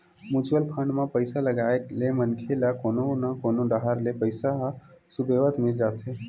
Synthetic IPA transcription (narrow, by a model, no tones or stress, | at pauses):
mut͡ʃwəlpʰə̃ɳɖmãpəɪsaləɡaːeklemənkʰelakoːnonakoːnoɖaɦəɾlepəɪsaɦsubʱeʋət̪mɪld͡ʒaːt̪ɦe